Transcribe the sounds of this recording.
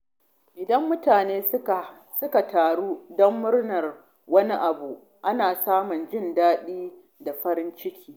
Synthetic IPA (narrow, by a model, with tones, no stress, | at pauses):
ʔɪ˨dɐ˦mːʊ˦taː˨neː˦˨ | sʊ˦ka˨taː˨ɽuː˦dɔ˦mːʊ˦rnɐ˨r | wɐ˦ni˦ʔa˨bu˨ | ʔa˦naː˨saː˦mʊ˨nd͡ʒɪ˦˨ndaː˦ɗiː˦ | da˨ɸɐ˦ɾɪ˦nt͡ʃɪ˦kʲʰiː˦